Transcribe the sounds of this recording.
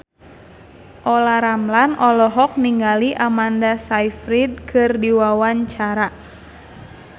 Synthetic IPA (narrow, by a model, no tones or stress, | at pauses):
ʔɔlaɾamlanɔlɔɦɔk̚niŋɡaliʔamandasajfɾid̚kʰɨrdiwawaɲt͡ʃaɾa